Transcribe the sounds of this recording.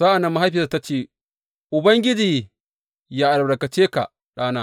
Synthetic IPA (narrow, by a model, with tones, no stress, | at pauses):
zaː˦ʔa˨nɐ˦mːa˦ɦa˦ɸi˨sa˨ta˦t͡ʃeː˦˨ | ʔʊ˨bɐ˦ŋɡʲɪ˦d͡ʒiː˨ | jaː˦ʔa˨ɾbɽɐ˨kɐ˨t͡ʃeː˦ka̰˨ | ɗaː˦naː˦